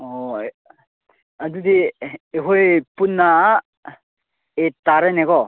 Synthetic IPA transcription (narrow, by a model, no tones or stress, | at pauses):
ɔ | adudiːɦojpunːa | etaɾeneɡɔ